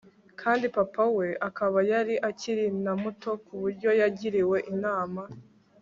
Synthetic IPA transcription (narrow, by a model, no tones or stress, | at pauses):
kʰaːndipapawe̞ʔakaβajaɾiʔaciɾinamuto̞kuβuɾɟo̞jaɟiɾiwe̞ʔinaːma